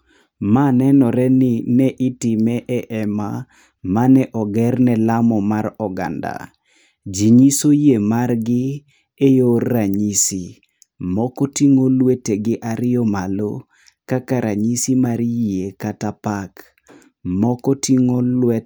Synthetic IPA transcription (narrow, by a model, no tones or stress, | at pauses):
manɛnɔɾɛnɪnɛʔɪtɪmɛʔɛʔɛma | manɛʔɔɡɛrnɛlamɔmaɾɔɡa̰nda̰ | d͡ʒiɲisojemarɡɪ | ejorːaɲisi | mɔkɔtiŋolweteɡɪʔaɾɪɔmalo̰ | kakaɾʔaɲisimaɾjekatapak | mɔkɔtiŋolwɛ